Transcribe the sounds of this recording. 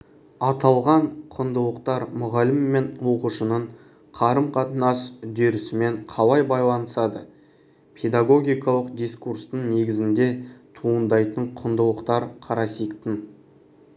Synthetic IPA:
ɑt̪ɑlˠʁɑɴqʰʊnd̪əlˠəq̚t̪ɑɾmʊʁɑlɪmːe̞nwo̞quʃənəɴ | qʰɑɾəmqʰɑt̪ənɑsd̪ʏɾɪsɪme̞ɴqʰɑlˠɑjbɑjlˠɑnəsɑd̪ə | pʰe̞d̪aɡo̞ɡʲijkɑlˠəqd̪ʲijskurst̪əɴne̞ɡʲɪzɪnd̪e̞t̪ʰuənd̪ɑjt̪əɴqʰʊnd̪əlˠəqt̪ɑɾqʰɑɾɑsijkt̪ɪn

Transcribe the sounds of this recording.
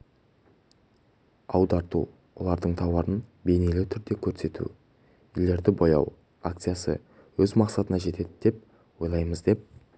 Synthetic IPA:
ɑwd̪ɑɾt̪ṵ | wolˠɑɾd̪əɴt̪ʰɑwɑɾənbe̞jnelɪwt̪ʰʏɾd̪e̞kʲʰɵɾse̞t̪ṵ | ijle̞ɾd̪ɪbojɑ̰w | a̰k̚t̪sɨjasə̰ | wɵzmɑqsɑt̪ənɑʒe̞t̪e̞d̪ɪd̪̥e̞p̚ | wo̞jlˠɑjməzd̪e̞p̚

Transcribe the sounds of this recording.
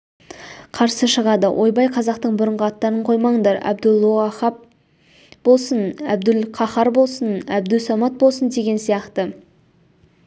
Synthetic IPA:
qʰɑɾsəʃəʁɑd̪əwʔojbɑjqʰɑzɑqt̪əɴbʊɾəɴʁəɑt̪ːɑɾəɴqʰo̞jmɑŋd̪ɑɾæ̰bd̪ʊlˠːuʁɑχɑp̚ | b̥o̞lˠsənæ̰bd̪ɪlqʰɑχɑɾbo̞lˠsənæb̚d̪ʉsɑmɑt̪̚bolˠsənd̪e̞ɡʲe̞nsijɑqt̪ə

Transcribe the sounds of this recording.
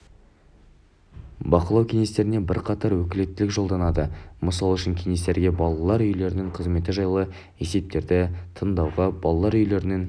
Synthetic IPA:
bɑqəlˠɑwkʲʰeŋʲest̪e̞ɾɪnebɪ̰ɾqʰɑt̪ɑɾwɵkʲɪle̞t̪ːɪlɪkʒo̞lˠd̪ɑnɑd̪əməsɑlˠʏʃɪŋkʲʰeŋe̞st̪e̞ɾɡʲe̞bɑlˠɑlˠɑɾʏjle̞ɾɪnɪɴqʰəzme̞t̪ɪʒɑjlˠə | e̞se̞p̚t̪e̞ɾd̪ɪt̪ʰənd̪ɑwʁɑbɑlˠɑlˠɑɾʏjle̞ɾɪneŋ

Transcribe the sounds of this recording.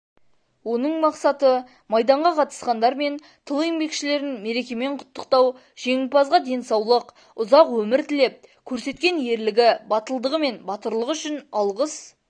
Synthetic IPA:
wo̞nəɴmɑqsɑt̪ə | mɑjd̪ɑɴʁɑqʰɑt̪ə̥sqɑnd̪ɑɾme̞n | t̪ʰəlˠembe̞kʃɪle̞ɾɪnme̞ɾe̞kʲe̞me̞ɴqʰʊ̥t̪ːəqt̪ɑw | ʒ̥e̞ŋɪpɑzʁɑd̪e̞nsɑwlˠəq | ʊzɑqwɵmɪɾt̪ɪle̞p̚kʲʰɵɾse̞t̪kʲe̞nje̞ɾlɪɡʲɪbɑt̪əlˠd̪əʁəme̞nbɑt̪əɾlˠəqʏʃɪnɑlˠʁəs

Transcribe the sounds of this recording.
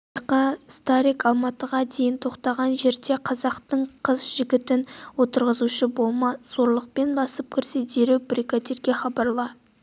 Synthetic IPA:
qɑst̪aɾikɑlˠmɑt̪əʁɑd̪ejɪnt̪ʰo̞qt̪ɑʁɑnʒe̞ɾd̪e̞qʰɑzɑqt̪əɴqʰəzʒɪɡʲɪt̪ɪnwo̞t̪əɾʁəzuʃəbo̞lˠmɑz̥o̞ɾlˠəq̚pe̞nbɑsəp̚kʲʰɪɾsed̪eɾewbɾikad̪eɾɡʲe̞χɑbɑɾlˠɑ

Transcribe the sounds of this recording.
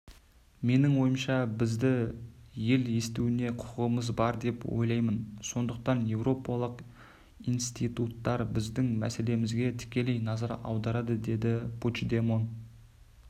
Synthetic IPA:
me̞nɪŋwo̞jəmʃɑbɪzd̪ɪje̞lje̞st̪uwɪne̞qʰʊ̥qəʁəməzbɑɾd̪e̞pwo̰jlˠɑjmənso̞nd̪əq̚t̪ɑnje̞wro̞pɑlˠəq | ijnst̪it̪ut̪ːɑɾbɪzd̪ɪŋmæ̰se̞le̞mɪzɡʲe̞t̪ʰɪ̥kʲe̞le̞jnɑzɑɾɑ̰wd̪ɑɾɑd̪əd̪e̞d̪ɪpʰut͡ʃd̪e̞mo̞n

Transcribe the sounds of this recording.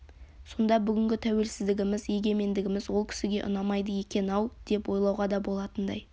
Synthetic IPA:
so̞nd̪ɑbʏɡʲɪŋɡʲɪt̪ʰæwe̞lsɪzd̪ɪɡʲɪmɪzje̞ɡʲe̞me̞nd̪ɪɡʲɪmɪzwo̞lˠkʲʰɪ̥sɪɡʲe̞ʔʊ̰nɑmɑjd̪əje̞kʲe̞nɑwˠd̪̥e̞pwo̞jlˠɑwʁɑd̪ɑbo̞lˠɑt̪ənd̪ɑ̰j

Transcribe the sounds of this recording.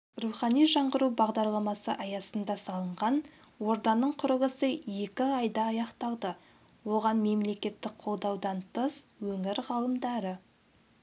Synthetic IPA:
ruχɑnijʒɑɴɢəɾubɑʁd̪ɑɾlˠɑmɑsəʔɑjɑsənd̪ɑsɑlˠəɴʁɑnwo̞ɾd̪ɑnːəɴqʰʊɾəʁəsəje̞kʲɪɑjd̪ɑːjɑqt̪ɑlˠd̪ə | wo̞ʁɑnme̞mle̞kʲe̞t̪ːɪk̚qʰo̞lˠd̪ɑwd̪ɑnt̪ʰəswɵŋɪɾʁɑlˠəmd̪ɑɾə

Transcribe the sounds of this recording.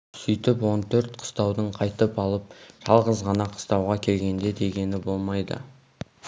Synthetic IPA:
sʏjt̪ɪpwo̞nt̪ʰɵɾt̪qʰə̥st̪ɑwd̪əɴqʰɑjt̪əpɑlˠəp̚ʒ̥ɑlˠʁəzʁɑnɑqʰə̥st̪ɑwʁɑkʲʰe̞lɡʲe̞nd̪e̞d̪e̞ɡʲe̞nɪbo̞lˠmɑjd̪ə̰

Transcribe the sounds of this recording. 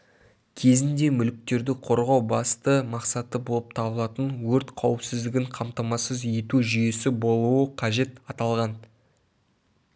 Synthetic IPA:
kʲʰe̞zɪnd̪e̞mʏlɪk̚t̪e̞ɾd̪ɪqʰo̞ɾʁɑwbɑst̪əmɑqsɑt̪əbo̞lˠəp̚t̪ʰɑbəlˠɑt̪ənwɵɾt̪qʰɑwəpsɪzd̪ɪɡʲɪɴqʰɑmt̪ɑmɑsəze̞t̪uʒʏje̞sɪbo̞lˠuəqʰɑʒe̞t̪ɑt̪ɑlˠʁɑn

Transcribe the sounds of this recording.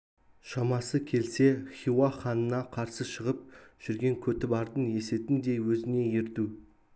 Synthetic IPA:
ʃɑmɑsəkʲʰe̞lse̞χʲiwaχɑnənɑqʰɑɾsəʃəʁəp̚ʒ̥ʏɾɡʲe̞ŋkʲʰɵt̪ɪbɑɾd̪ənje̞se̞t̪ɪnd̪e̞jwɵzɪne̞jeɾt̪u

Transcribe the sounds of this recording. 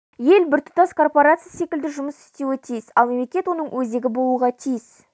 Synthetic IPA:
je̞lbɪɾt̪ʰʊ̥t̪ɑskʰo̞rpo̞ɾat̪sɨjase̞kʲɪld̪ɪʒʊməsɪ̥st̪ewɪt̪ʰijɪsɑlˠme̞mlekʲe̞t̪wo̞nəɴwʔɵze̞ɡʲɪbo̞lˠuʁɑt̪ʰijɪs

